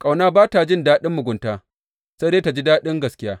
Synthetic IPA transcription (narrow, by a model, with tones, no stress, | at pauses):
kʼa˨wnaː˦baː˦ta˨d͡ʒɪ˦ndaː˦ɗɪ˦mːʊ˨ɡʷʊ˨ntaː˨ | se˦deː˦ta˨d͡ʒi˦daː˦ɗɪ˦ŋɡɐ˨skʲɪ˦jaː˦